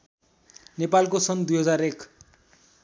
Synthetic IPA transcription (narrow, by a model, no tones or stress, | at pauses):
nepalkosʌnd̪ujɦʌd͡zaɾek